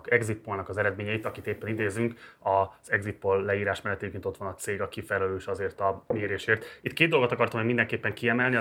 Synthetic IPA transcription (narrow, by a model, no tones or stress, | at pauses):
kɛɡzit̪̚polnɒkɒzɛɾɛd̪meːɲɛjit̪ɒkit̪eːpːɛnid̪eːzyŋkɒz̥ɛɡzit̪̚polːɛiːɾaːʃmɛlːɛt̪ːekint̪o̞t̪ʋɒnɒt̪seːɡɒkifɛlɛløːʃɒzeːrt̪ɒmeːɾeːʃeːrt̪it̪̚ːkeːd̪o̞lɡot̪ɒkɒrt̪ɒmɛmind̪ɛŋkeːpːɛŋkiɛmɛlni